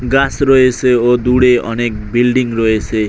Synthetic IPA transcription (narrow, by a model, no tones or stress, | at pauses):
ɡãsroeseod̪uɽeʌ̰nek̚bilɖiŋroese